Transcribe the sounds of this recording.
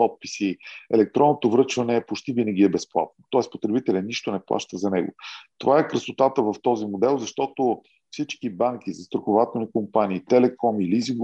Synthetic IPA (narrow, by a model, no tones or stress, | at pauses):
pɔt̪̚pi̥siɛ̰lɛk̚t̪ɾɔnːot̪ovɾɤt͡ʃvənɛːpot͡ʃt̪ivinəɡ̟ʲiɛbɛsplˠa̰t̪̚not̪ɔɛspot̪ɾɛbit̪ɛlʲəniʃt̪onɛplˠa̰ʃt̪əzɐnɛɡo̰t̪ovaɛkɾəsot̪at̪əvɐft̪ɔzimod̪ɛlˠzɐʃt̪ɔt̪o | fsit͡ʃkibaŋk̟izɐst̪ɾoxovat̪ɛlˠnikompaniːt̪ɛlɛkʰɔmiliziŋɡ